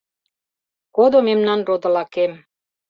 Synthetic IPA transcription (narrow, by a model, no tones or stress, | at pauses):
kod̪omemnɑnrod̪ə̆lɑkem